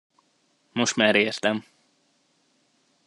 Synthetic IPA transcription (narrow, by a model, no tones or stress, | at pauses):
mo̞ʃt̪maːɾeːrt̪ɛm